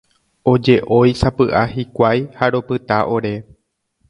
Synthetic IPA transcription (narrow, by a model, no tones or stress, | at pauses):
o̞d͡ʒe̞ʔo̞jsapɨʔahikʷajhaɾo̞pɨt̪aʔo̞ɾe̞